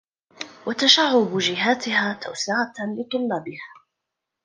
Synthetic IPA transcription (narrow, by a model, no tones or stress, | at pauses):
wat̪aʃaʕːʊbd͡ʒɪɦaːt̪ɪhaːt̪ʰa̰wsɪʕalɪt̪ˤʊlːaːbɪhaː